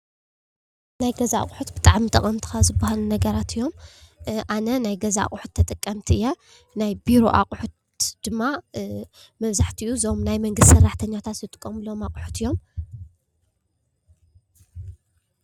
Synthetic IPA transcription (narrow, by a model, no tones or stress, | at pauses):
najɡɐzaa̰qʼħut̪bɨt̪ʼaʕmit̪ʼɐχʼɐnt̪ʰɨ̥xazɨbːahalunɐɡɐɾat̪ʰɨjːo̞mʔanɐnajɡɐzaa̰χʼħut̪ʰːɐt̪ʼɨkʼːɐmt̪ʰiɨjːɛ | najbiɾo̞̰ʔa̰qʼħut̪ | d̪̥ɨmːa | mɐβzaħt̪ʰiʔuzomnajmɐŋɡɨst̪sɐrːaħt̪ʰɐɲːat̪ʰat̪zɨt̪ʼɨ̥kʼːɐmɨlomaqʼħu̥t̪ɨjːo̞m